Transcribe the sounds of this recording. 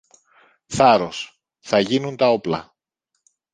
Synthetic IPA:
θɐɾo̞s | θɐʝinunt̪ɐo̞plɐ̰

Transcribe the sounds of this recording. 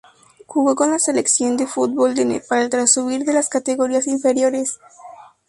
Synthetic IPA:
xuɣoko̞nlase̞leksjo̞nd̪efut̪̚bold̪enḛpaɾaelt̪ɾasuβiɾðe̞laskat̪eɣo̞ɾiasiɱfe̞ɾjo̞ɾe̞s

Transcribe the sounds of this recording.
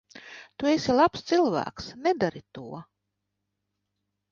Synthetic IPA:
t̪uesilˠapst̪silˠvæ̰ːksnɛd̪aɾit̪uɔ

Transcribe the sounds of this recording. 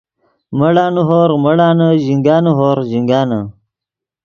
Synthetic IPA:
mɐɽaːnuɦoːɾmɐɽaːnɐʑiŋɡaːnuɦoːɾʑiŋɡaːnɐ

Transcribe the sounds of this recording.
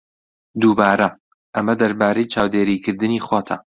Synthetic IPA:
d̪uːbaːɾɐ | ʔɐmɐd̪ɐɾbaːɾɐjt͡ʃaːwd̪eːɾiːkʰɨɾd̪ɨniːχwoːt̪ʰɐ̰

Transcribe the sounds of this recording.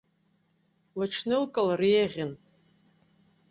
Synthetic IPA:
laʈ͡ʂʰnɨlkʼalrieʁʲɪn

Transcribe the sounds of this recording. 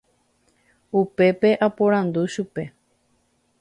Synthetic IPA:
upe̞pe̞ʔapoɾãnd̪uʃupe̞

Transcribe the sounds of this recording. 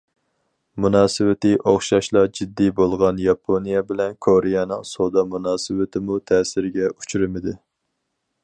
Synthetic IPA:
munɑːsɨwɪt̪ɪʔoχʃɑʃlˠɑd͡ʒid̪ːibolˠʁɑnjɑpʰonijɛbɪlɛnkʰoɾɪjɑnɨŋsod̪ɑmunɑːsɨwɪt̪ʰɪmut̪ʰɛːsɪɾɡʲɛu̥t͡ʃʰuɾɪmɪd̪ɪ

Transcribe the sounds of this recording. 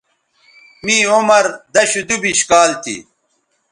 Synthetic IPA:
miːomɐɾd̪ɐɕud̪ubiɕkaːlt̪ʰḭ

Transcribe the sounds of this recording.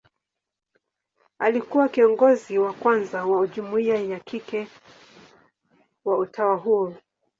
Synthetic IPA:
alikuwakiɔŋɡɔziwakwanzawauʄumuiajakikɛ | wautʰawaɦuɔ

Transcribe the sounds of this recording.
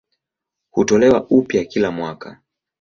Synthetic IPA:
hutɔlɛwaʔupjakilamwaka

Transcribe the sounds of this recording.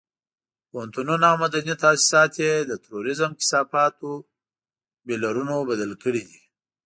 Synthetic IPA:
poɦnt̪ununamad̪anit̪ɑːsi̥sɑt̪jed̪ət̪aɾoɾɪzəmkɪ̥sɑːfɑːt̪o | belaɾunobad̪əlkəɽid̪i

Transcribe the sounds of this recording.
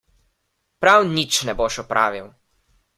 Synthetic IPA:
pɾawnit͡ʃnɛboʃɔpɾʔa̰ːʋiw

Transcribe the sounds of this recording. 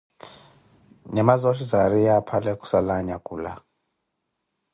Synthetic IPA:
ɲɛmazɔʃizaɾijapʰalɛkʼu̥salaɲakʼuːla̰

